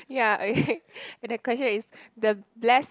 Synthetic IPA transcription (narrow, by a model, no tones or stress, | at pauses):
jaokeɛ̃ndəkwɛst͡ʃə̃nisdəblɛs